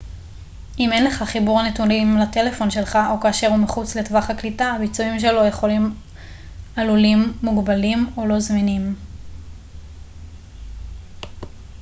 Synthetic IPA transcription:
ʔime̞nle̞χaχibuʁanetunimlate̞le̞fo̞nʃe̞lχaʔo̞kaːʃe̞ʁumeχut͡sle̞tvaχaklitaːbit͡suimʃ̬e̞lo̞je̞χo̞lim | alulimːuɡbalimolo̞zminim

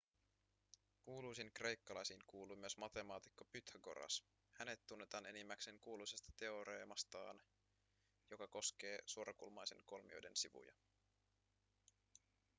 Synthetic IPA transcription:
kuːlujsiŋkre̞jkːɑlɑjsiːŋkuːlujmyøsmɑt̪e̞mɑːt̪ikːopyt̪hæɡo̞̰ɾɑ̰s | hæne̞t̪ːunːe̞t̪ɑːne̞nimːækseŋkuːlujsest̪ɑ̥t̪e̞o̞ɾeːmɑst̪ɑ̰ːn | jo̞kɑko̞sk̟e̞ːsuo̞ɾɑkulmɑjse̞̰nko̞lmḭo̞̰jde̞̰nsiʋṵjɑ̰

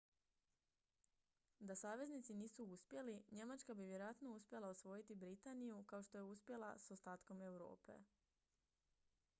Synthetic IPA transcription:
d̪asaːʋe̞znit̪siniːsuuspje̞liɲe̞mat͡ʃkabiʋjeɾojat̪no̞uspʲje̞lˠaosʋo̞jit̪ibɾit̪anijukao̞ʃt̪o̞je̞uspʲje̞lˠa̰sost̪aːt̪ko̞me̞wɾo̞̰ːpe̞̰

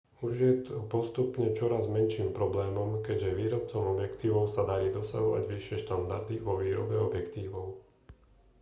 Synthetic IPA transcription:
uʒɪjɛt̪ɔpɔst̪upɲɛt͡ʃɔɾazmɛnʃiːmpɾɔblɛːmɔmkɛɟʒɛʋiːɾɔp̚t͡sɔʊɔbjɛkt̪iːʋɔʊsad̪aɾiːd̪ɔsa̰ɦɔʋa̰ɟʋiʃɪɛʃt̪and̪aɾd̪iʋɔʋiːɾɔbɛɔbjɛkt̪iːʋɔʊ

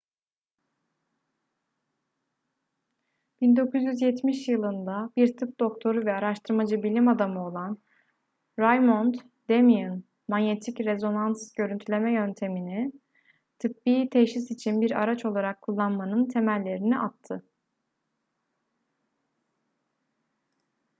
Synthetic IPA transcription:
b̥ind̪o̞kuzjyzjɛt̪miʃjɯlˠɯnd̪abiɾt̪ʰɯp̚d̪o̞kt̪ʰo̞ɾuvɛaɾaʃt̪ʰɯɾmad͡ʒɯbilʲimad̪amɯo̞lˠan | ɾajmont̪ | d̪̥emiɯn | maɲje̞t̪ʰicɾe̞zo̞nansɟø̞ɾynt̪ʰylʲe̞mɛjø̞nt̪ʰe̞mini | t̪ʰɯpbiːt̪ʰeʃisit͡ʃʰinbiɾa̰ɾat͡ʃʰo̞lˠaɾakʰːulˠːanmanɯnt̪ʰe̞mælʲːe̞ɾiniʔat̪ʰːɯ

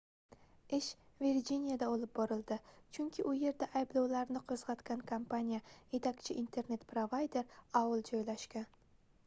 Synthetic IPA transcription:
ɪʃviɾd͡ʒinijad̪aolɪp̚bɒɾɪlˠd̪ɪt͡ʃʰʊŋkʲʰɪʔʊje̞ɾd̪aʔajblˠɑwlaɾnɪqʰɨzʁɑt̪kʲankʰampʰanijaje̞t̪ʰakʲt͡ʃʰɪʔint̪ʰe̞ɾne̞t̪pɾovajd̪e̞ɾɒwɪlˠd͡ʒɒjlaʃkʲan

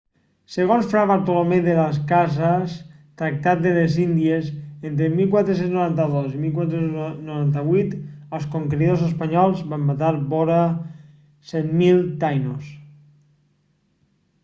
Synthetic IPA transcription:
seɣ̞onsfɾaβaɾt̪olomeðelas̬kazast̪ɾak̚t̪at̪̚d̪elezind̪iesent̪ɾemilˠkwat̪ɾes̬enznoɾant̪aðosimilˠkwat̪ɾesennoɾant̪aβujt̪əlˠskoŋkɾiðosəspaɲɔlˠzβamːat̪aɾβɔɾa | sɛt̪milˠt̪ajnos

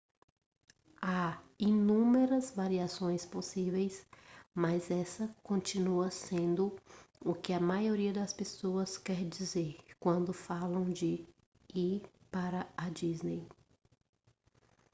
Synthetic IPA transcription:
ainũmeɾɐzvaɾiasõj̃sposivejsmɐzɛsɐkõt͡ʃinuɐsẽnd̪ʊʊkɪɐmajoɾiɐd̪ɐspesoɐskɛɾd͡ʒizeɾkwɐ̃nd̪ʊfalɐ̃w̃d͡ʒɪ | i | paɾɐɐd͡ʒiznej

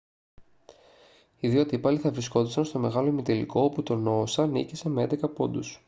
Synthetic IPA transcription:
iðiot̪ipɐliθɐvɾisko̞t̪isɐnst̪o̞me̞ɣɐlo̞mit̪e̞lḭko̞oput̪o̞no̞sɐnḭcise̞meend̪e̞kɐpo̞nd̪us

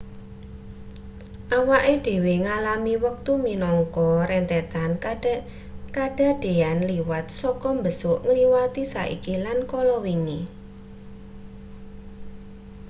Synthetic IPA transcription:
ʔawaʔeɖ̥e̤weŋalamiwək̚t̪uminɔŋkɔɾɛnt̪ɛt̪an | kaɖ̥a̤ɖ̥e̤anliwat̪̚sɔkɔmbəsʊʔŋliwat̪isa̰ʔḭkilankɔlɔwiŋi

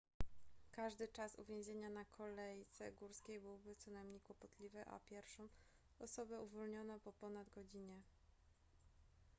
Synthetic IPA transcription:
kaʐd̪ɘt͡ʂasṵvʲjẽw̃ʑʲeɲanakʰɔlɛjt̪sɛɡuɾskʲejbɘwbɘt̪sɔnajmɲejkwɔpɔt̪lʲivɛʔa̰pʲjɛɾfʂɔ̃w̃ | ɔsɔbɛuvɔlɲɔnapɔpɔnad̪ɡɔd͡ʑiɲɛ

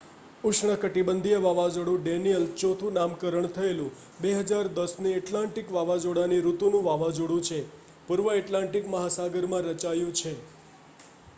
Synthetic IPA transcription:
ʊʃɳəkəʈibənd̪ʱijəʋaʋad͡ʒoɽũɖenijəlt͡ʃot̪ʰunamkəɾəɳt̪ʰəelũ | beɦəd͡ʒaɾd̪əsneɛʈlãɳʈikʋaʋad͡ʒoɽaniɾut̪unũʋaʋad͡ʒoɽũt͡ʃʰe | puɾʋəɛʈlãɳʈikməɦasaɡəɾmãɾət͡ʃajũt͡ʃʰe

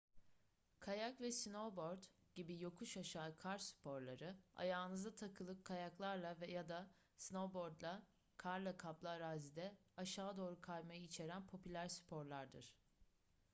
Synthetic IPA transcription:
kʰajakvɛsino̞bo̞ɾd̪ɟ̥ibijo̞kʰuʃaʃaːɯkʰaɾsy̥pʰo̞ɾlˠaɾɯa̰jaːɯnɯzat̪ʰakʰɯlˠɯp̚kʰajaklˠaɾlˠavɛjad̪a | sno̞bo̞ɾd̪lˠa | kʰaɾlˠakʰaplˠaːɾaːzid̪ɛaʃaːd̪o̞ːɾukʰajmajɯit͡ʃʰe̞ɾænpʰo̞pʰylʲæɾsy̥pʰo̞ɾlˠaɾd̪ɯ̰ɾ̥

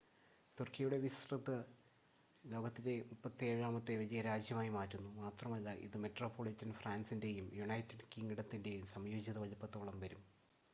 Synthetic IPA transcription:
t̪urkijɐjuɽe̞ʋisrɐðɨ | lo̞ːɡɐt̪ːinde̞mupːɐt̪ːieːɻaːmɐt̪ːe̞ʋɐd͡ʑijɐɾaːd͡ʑjɐmaːjimaːtːunːumaːt̪rɐmɐlːaʔḭðɨmetroːpʰːoːɭitːɐnfraːnsinde̞jumjuɳɐjtːiɖkiŋɡiɽɐt̪ːinde̞jumsɐmjoːd͡ʑiðɐʋɐd͡ʑɐpːɐt̪ːoːɭɐmʋɐɾum

